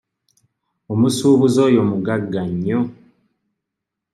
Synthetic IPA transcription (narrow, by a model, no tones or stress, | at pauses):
omusuːβuzoːjo̞muɡaɡːaɲːo